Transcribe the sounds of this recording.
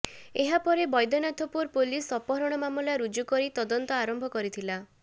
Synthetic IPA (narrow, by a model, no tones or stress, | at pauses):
eɦapɔɾebɔjd̪ɔnat̪ʰɔpuɾpulisɔpɔɾɔɽ̃ɔmamulaɾud͡ʒukɔɾit̪ɔd̪ɔnt̪ɔaɾɔmbʱɔkɔɾit̪ʰila